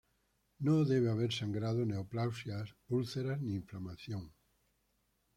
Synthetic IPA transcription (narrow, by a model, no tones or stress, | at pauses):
nõðeβ̞eaβ̞eɾsaŋɡɾað̞oneoplawsjasulθeɾaznĩːɱflamaθjoŋ